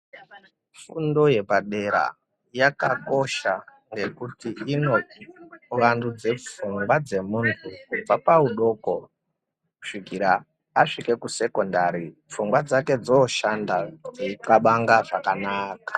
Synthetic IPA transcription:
fundo̞je̞paɗe̞ɾa̰ | jakako̞ʃa | ŋɡe̞kutiino̞iʋandud͡ze̞p͡fuŋɡwad͡ze̞muntʰuvapauɗo̞ːko̞ | u̥ʂiɡʱiɾaː | ʂike̞kuse̞ko̞ndaɾip͡fuŋɡwad͡zake̞d͡zoːʃandaeikaɓaŋɡaʐakanaːkḁ

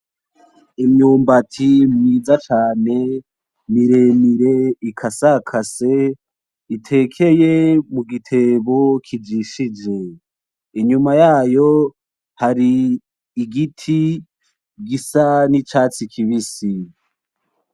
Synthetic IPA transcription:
imɲuːmbatʰimŋiːd͡zat͡ʃaːne̞ | miɾemiɾeikʰasakʰase | itʰe̞kʰe̞jemuɡitʰe̞βokʰid͡ʒiʃid͡ʒe̞ | iɲumajaːjo̞ | haɾiː | ɡitʰi | ɡisanit͡ʃaːt͡sikʰiβisi

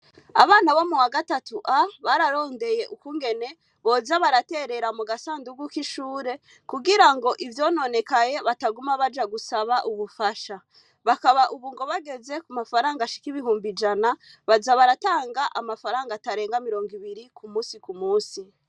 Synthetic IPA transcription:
a̰βaːnaβo̞muwaɡatatuʔaβaɾaɾo̞ːnde̞je̞ʔukuŋɡe̞ne̞ | βo̞ːzaβaɾate̞ɾe̞ɾamuɡasaːnduɡwukiʃuːɾe̞ | kuɡiɾaŋɡo̞ʔivjo̞ːno̞ne̞kaje̞βataɡumaβad͡ʒaɡusaβaʔuβufaʃa | βakaβaʔuβuŋɡo̞βaɡe̞ze̞kumafaɾaːŋɡaʃi̥kiβiɦuːmbid͡ʒanaβazaβaɾataːŋɡaʔamafaɾaːŋɡataɾe̞ːŋɡamiɾo̞ːŋɡiβiɾikʰumuːsikumuːsi

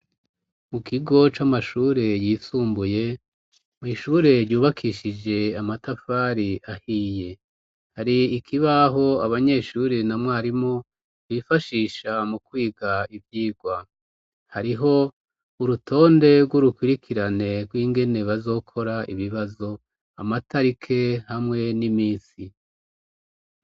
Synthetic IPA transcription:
mukʰiɡo̞t͡ʃamaʃuːɾe̞jiːsuːmbuje̞ | mŋiːʃuɾe̞ɾjuːβakʰiʃid͡ʒe̞amatafaːɾiahiːje̞ | haɾiːkʰiβaɦo̞aβaɲe̞ʃuɾenamŋwaaɾimo | wifaʃiʃamukwiːɡaivjiːɡwa | haɾiɦo̞ | uɾutʰo̞ːnde̞ɡwuɾukwiɾikʰiɾane̞ɡwiːŋɡe̞ne̞βazo̞ːkʰo̞ɾaʔiβiβazo̞ | amatʰaɾikʰe̞hamŋe̞nimiːsi

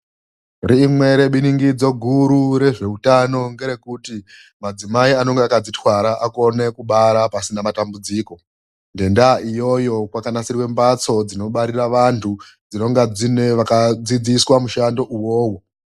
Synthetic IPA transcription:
riːmwe̞ɾe̞ɓiniŋɡid͡zo̞ɡʱuɾuɾe̞ʐe̞utano̞ŋɡe̞ɾe̞kuti | mad͡zimaiano̞ŋɡeakad͡zitwaɾaʔako̞ne̞kuɓaɾapasinamatambud͡ziːko̞ | nde̞ndaʔijo̞jo̞kwakanasirwe̞mbat͡so̞d͡zino̞ɓaɾiraʋantʰu | d͡zino̞ŋɡad͡zine̞ʋakad͡zid͡ziswamuʃando̞ʔuwoːwo

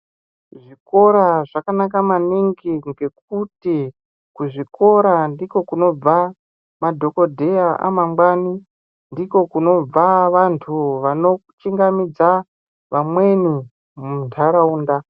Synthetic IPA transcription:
ʐiko̞ɾaʐakanakamaniŋɡiŋɡe̞k̚uti | kuʐiko̞ɾandiko̞kuno̞b͡va | madʱo̞ko̞dʱe̞aʔa̰mamɡwani | ndiko̞kuno̞b͡vaʋantʰuʋano̞kut͡ʃiŋɡamid͡za | ʋamwe̞ni | muntʰaɾauːnda

